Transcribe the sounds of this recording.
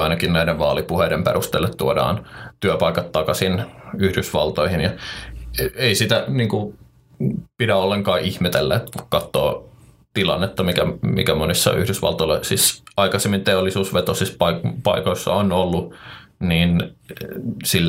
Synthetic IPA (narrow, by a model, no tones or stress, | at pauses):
ɑinɑkinnæideʋʋɑ̰ːlipuheidempḛrust̪ḛlːet̪t̪uodɑ̰ːnt̪yøpɑikɑt̪tɑkɑsinyhdysʋɑ̰lt̪oihinjɑ | eisit̪æniːŋku | pidæolːeŋkɑːʔihmet̪elːæ̰et̪kukkɑt̪ːo̰ː | t̪ilɑ̰nːet̪ːɑmikæmḭkæmonisːɑ̰ʔy̰hdysʋɑ̰lt̪olosisɑikɑsemːint̪eolːisuːsʋet̪osispɑpɑikoisːɑ̰onolːuniːn | silː